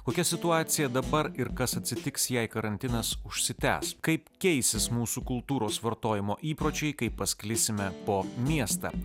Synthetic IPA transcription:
koːkʲɛsʲɪt̪ʊɑːt̪sʲɪjɛd̪ɐbɐɾɪɾkɐsɐt̪ʲsʲɪt̪ʲɪksjɛɪkɐɾɐnʲt̪ʲɪnɐsʊʃʲsʲɪt̪ʲæ̰ːskɐɪpkʲɛɪsʲɪsmuːsukʊlˠt̪uːɾoːsʋɐɾt̪oːjɪmoːʔiːpɾoːt͡ʃʲɛɪkɐɪpːɐsʲklʲɪsʲɪmʲɛpoːmʲiɛst̪ɑ̰

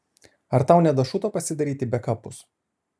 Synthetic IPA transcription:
ɐɾt̪ɑˑʊnʲɛd̪ɐʃʊt̪oːpɐsʲɪd̪ɐɾʲiːt̪ʲɪbʲɛkɐpʊs

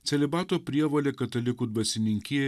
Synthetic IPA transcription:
t͡selibaːt̪opɾijɐʋɐlʲekɐt̪ɐlikud̪̚bɐsiniŋkie

